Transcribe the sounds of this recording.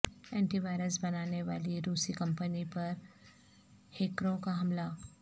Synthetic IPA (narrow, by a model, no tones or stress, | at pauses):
eɳʈiːʋajɾəsbənaneʋa̰liːɾusiːkəmpənipəɾ | hekɾõkaɦəmla